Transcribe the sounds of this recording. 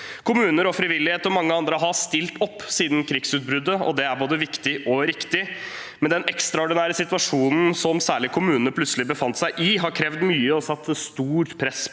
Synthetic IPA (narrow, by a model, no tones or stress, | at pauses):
kʰʊmʉːnəɾɔfɾɪʋɪlːɪheːt̪ɔmɑŋːəɑnd̪ɾəɦɑst̪ɪlt̪ɔpːsiːd̪n̩kʰɾɪɡsʉːt̪̚bɾʉd̪ːəɔ̰d̪ɛæɾboːd̪əʋɪkt̪ɪʔɔɾɪkt̪ɪ | mɛnd̪ɛnɛkst̪ɾɑɔɖɪnæːɾəsɪt̪ʋɑʂuːnn̩sɔmsæːɭɪkʰʊmʉːnəɾpʰlʉt̪səlɪbəfɑnt̪sæɪʔɪɦɑɾkʰɾɛʋd̪myːəɔsɑt̪ːst̪uːʈpʰɾɛs